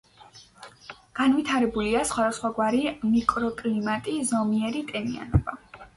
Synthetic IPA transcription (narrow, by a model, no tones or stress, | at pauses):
ɡ̥anvit̪ʰaɾɛbuliasχwad̪asχwaɡwaɾimikʼɾɔkʼlimat̪ʼizɔmiɛɾit̪ʼɛnia̰nɔb̥a